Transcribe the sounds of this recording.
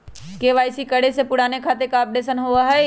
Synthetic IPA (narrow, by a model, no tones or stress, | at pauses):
keːʋaːɪsikəɽesepʊɽaːnekʰaːt̪ekaːp̚ɖeːsənɦoaɦɛ